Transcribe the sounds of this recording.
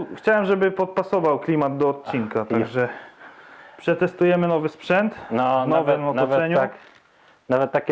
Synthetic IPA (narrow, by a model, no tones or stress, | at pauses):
xt͡ɕawɛmʐɛbɘpɔt̪̚pasɔvawklʲimad̪d̪ɔːt̪̚t͡ɕiŋkat̪aɡʐɛ | pʂɛt̪ɛst̪ujɛmɘnɔvɘspʂɛnt̪nɔvɛmɔt̪ɔɛɲu | navɛt̪̚tːakʲ